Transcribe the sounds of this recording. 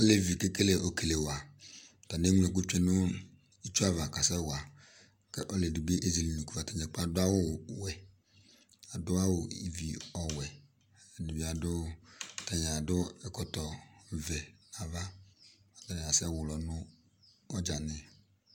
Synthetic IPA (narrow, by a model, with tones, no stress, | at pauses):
le˦vi˨ke˦ke˦le˨ʔo˨ke˨le˨wo˨a˨ | t̪a˨ne˦ŋ˦e˨k̬u˦t͡ʃe˦nʊ̃˦ | i˦t͡ʃu˦a˦va˨ka˨sɛ˦wo˨a˨ | ke˦ʔo˦le˨di˨be˦ʔe˦zi˨li˨nũ˨ku˦a˨t̪a˨ɲɛ˨k͡pa˦˨dʊ˦a˦wo˦˨wɛ˨ | a˨dʊ˦a˦wo˨ḭ˨vi˨ɔ˨wɛ˨ | di˨vi˨˦a˨dʊ˦˨t̪a˨ɲ˨a˨dʊ˦ɛ˦kɔ˨t̪ɔ˨vɛ˨a˨va˦a˨t̪a˦ɲ˨a˨sɛ˦wʊ˨lɔ˨nʊ̃˦ | ɔ˦d͡ʒa˨nɪ̃˦